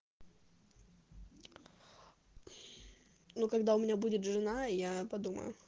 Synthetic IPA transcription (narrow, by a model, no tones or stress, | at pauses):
nukɐɡd̪aʊmʲɪnʲabudʲɪt̪ʐɨnajapɐd̪umə̰jʊ̰